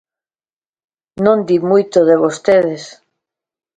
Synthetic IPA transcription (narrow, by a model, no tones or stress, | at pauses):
nõnd̪imujt̪oðeβ̞ost̪eðes